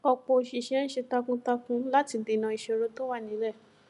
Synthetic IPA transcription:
ɔ˧k͡pɔ˧ʃe˧˨ʃi˦ɛ̃˦n̩˦ʃe˧ta˧kũ˦ta˧kũ˦la˦ti˧de˨˧˨nã˧i˧ʃɛ˧ɾo˦to˦wa˦˨nĩ˨˦lɛ˦˨

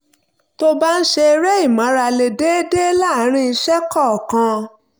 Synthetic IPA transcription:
to˧ba˦n̩˦ʃe˧ɾɛ˦i˦˨mã˨˦ɾa˧le˨de˦de˦la˦˨˦ɾ̃ĩ˧i˧ʃɛ˦kɔ˦˨kã˧

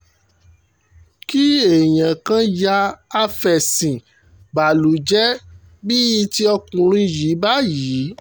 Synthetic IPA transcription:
ki˦e˨j̃ã˨kã˧˦ja˧˦a˧fɛ˨sĩ˨ | ba˨lu˨˦d͡ʒɛ˦ | bi˦i˧ti˦ɔ˧kũ˨ɾ̃ũ˧ji˨˦ba˦jiː˨˦

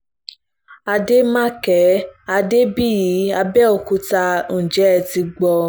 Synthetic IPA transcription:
a˧de˦mã˦kɛ˨˦a˧de˦bi˦˨ji˨˦a˧bɛ˦ɔ˧˨ku˧tã˧˦˨d͡ʒɛ˨˦ɛ˧˨ti˧ɡ͡bɔ˧

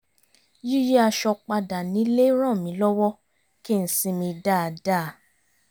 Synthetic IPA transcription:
ji˦ji˦a˧ʃɔ˧k͡pa˧da˨nĩ˨˦le˦ɾ̃ã˦˨mĩ˨˦lɔ˦wɔ˦ | ki˦˨n̩˨sĩ˧mĩ˧da˦˨daː˦˨˦

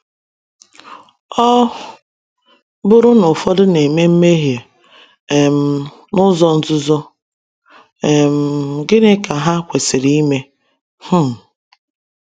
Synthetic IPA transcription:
ɔ˦ | bʊ˦ɾʊ˦nʊ˨fɔ˦dʊ˦ne˨me˦m̩˦me˦ɦje˨ | e˨m̩˨˦ | nʊ˦zɔ˦n̩˦zʊ˦zɔ˦ | e˨m̩˨ɡɪ˦nɪ˦ka˨ɦa˦kʷe˨sɪ˨ɾi˦i˦me˦ | h̩˦˨

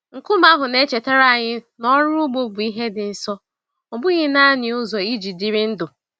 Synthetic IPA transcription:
ŋ̩˨kʊ˦m˦a˦ɦʊ˨ne˦t͡ʃe˨te˦ɾa˦˨ɲɪ˦nɔ˦ɾʊ˦ɡ͡bo˦bʊ˨i˦ɦe˦dɪ˨n̩˨sɔ˦ | ɔ˨bʊ˦ɣɪ˦na˦ɲɪ˨ʊ˦zɔ˨i˦d͡ʒi˨dɪ˨ɾɪ˦n̩˦dʊ˨

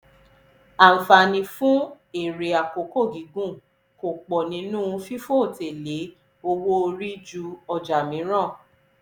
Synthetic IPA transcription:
a˨m̩˨fa˧nĩ˧fũ˦ | e˨ɾe˨a˨ko˨ko˦˨ɡi˨˦ɡũ˦ | ko˨k͡pɔ˨nĩ˨˦nũ˦˧fi˦fo˦˨te˨le˨˦ | o˧wo˦o˧ɾi˦d͡ʒu˧ɔ˧˨d͡ʒa˨mĩ˨˦ɾ̃ã˦˨

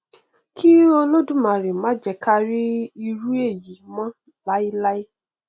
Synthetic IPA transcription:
ki˦o˦lo˦du˦mã˨ɾi˨mã˨˦d͡ʒɛ˨kʰa˧ɾi˦i˧ɾu˦e˦˨ji˨˦mã˦ | la˨˦i˦la˦i˦

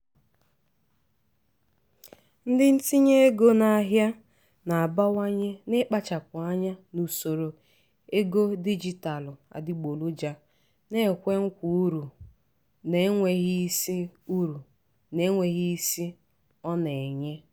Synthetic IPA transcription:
n̩˦dɪ˦n̩˦ti˦ɲe˦e˦ɡo˦na˨a˨ɦja˦ | na˨a˨ba˦wa˦ɲɪ˦nɪ˦k͡pa˦t͡ʃa˨p̚ʊ˨a˦ɲa˦nu˨so˨ɾo˨ | e˦ɡo˦di˦d͡ʒi˦ta˨lʊ˨a̰˨dɪ˦ɡ͡bo˨lu˦d͡ʒa˦ | ne˦˨kʷe˦ŋ̩˦kʷu˨˦ɾu˨ | ne˨˦ŋʷe˨ɣi˦si˦u˦ɾu˨ | ne˨˦ŋʷe˨ɣi˦i˦si˦ | ɔ˦ne˨ɲe˦

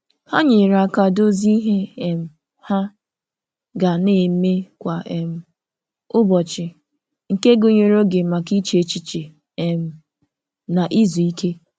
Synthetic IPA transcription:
ha˦ɲɪ˨ɾa˨ka˨do˦zi˦ɦe˦e˨m̩˨ | ha˦ | ɡa˨ne˨˦me˦kʷa˨ʔe˨m̩˨ | ʊ˦bɔ˨t͡ʃɪ˨ | ŋ̩˨ke˦ɡʊ˨ɲe˦ɾo˦ɡe˨ma˨ki˦t͡ʃe˦e˦t͡ʃi˦t͡ʃe˨ | e˨m̩˨ | na˨ʔi˦zu˨i˦ke˦

